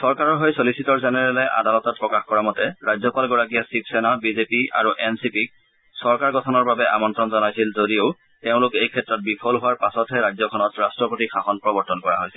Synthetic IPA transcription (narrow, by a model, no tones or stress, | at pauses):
sɔɹkaɹɔɹɦojsolisitɔɹzɛnɛɹɛlɛʔa̰dalɔtɔt̚pɹɔkaxkɔɹamɔtɛɹajzɔpalɡɔɹakijasip̚ʰsɛnabizepia̰ɹuʔɛnsipik̚ | sɔɹkaɹɡɔtʰɔnɔɹbabɛʔa̰mɔntɹɔnzɔnajsilzodioʊ | teʊ̃lʊkejkʰɛtɹɔt̚bipʰɔlɦʊwaɹpasɔtɦɛɹajzɔkʰɔnɔtɹastɹɔpotixʰaxɔnpɹɔbɔɹtɔnkɔɹa̰ɦojsɛl